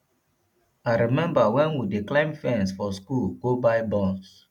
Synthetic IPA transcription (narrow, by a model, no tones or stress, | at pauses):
aɪɾimɛ̃mbawɛ̃nwideklãɪ̃mfɛ̃nsfɔskulɡobaɪbɔ̃ns